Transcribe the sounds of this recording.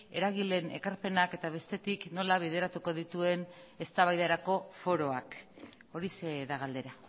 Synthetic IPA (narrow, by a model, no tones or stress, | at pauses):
e̞̰ɾaɣile̞ne̞̰kaɾpe̞nake̞t̪aβ̞e̞st̪e̞t̪ikno̞laβ̞ið̞e̞ɾat̪uko̞ðit̪ue̞ne̞st̪aβajðaɾako̞fo̞ɾo̞ak | o̞ɾiseðaɣ̞ald̪e̞ɾa